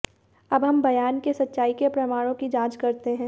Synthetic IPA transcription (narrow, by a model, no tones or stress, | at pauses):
ɐbɦɐmbɐjaːnkesɐtːʃaːikepɾɐmaːɽ̃õkid͡ʒãːd͡ʒkɐɾt̪eɦɛ̃ː